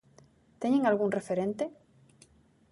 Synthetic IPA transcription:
t̪eɲeŋalɣuŋrefeɾẽnt̪e

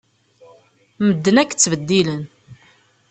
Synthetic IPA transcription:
məd̪ːənækːt͡sːvəd̪ːilən

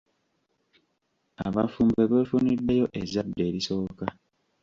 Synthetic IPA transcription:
aβafuːmbeβeːfunidːe̞jo̞ʔezadːe̞ːɾiso̞ːka

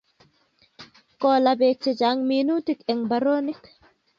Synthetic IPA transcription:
kɔːlabek̚t͡ʃɛd͡ʒaŋminutikɛŋbaɾoːnik

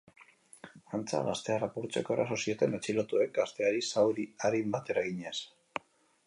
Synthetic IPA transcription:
ant͡sa̰ɣast̪e̞arapuɾt͡se̞̰ko̞e̞ɾa̰so̞sio̞t̪e̞net͡ʃilo̞t̪ue̞k̚ɡast̪e̞aɾisawɾiaɾimbat̪e̞ɾaɣiɲes

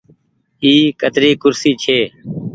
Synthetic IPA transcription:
iːkət̪ɾiːkʊɾsiːt͡ʃʰeː

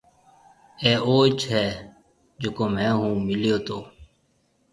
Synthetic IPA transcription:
eːʔoːt͡ʃɦɛː | d͡ʒokoːmɛ̃ːɦũːmɪljoːt̪oː

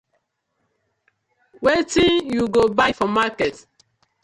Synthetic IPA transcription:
wetĩnjuɡobajfɔmakɛt

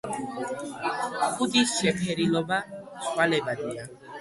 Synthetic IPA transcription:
xudiʃɛpʰɛɾilɔbaswalebad̪ija

